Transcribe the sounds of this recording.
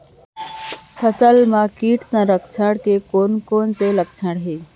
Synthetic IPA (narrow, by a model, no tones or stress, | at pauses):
pʰəsəlmãːkiːʈsãːɾəkʰt͡ʃʰəɽkeːkoːnkoːnseləkt͡ʃʰəɽɦeː